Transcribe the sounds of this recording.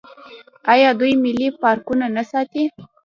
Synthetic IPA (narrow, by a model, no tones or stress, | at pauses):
ɑjɑd̪ujmɪlipɑɾkunanasɑt̪i